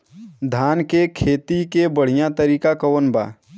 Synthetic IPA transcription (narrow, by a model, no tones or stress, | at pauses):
d̪ʱaːnkekʰeːt̪ikebəɽ̤ijãt̪əɾiːkakɐwənba̰ː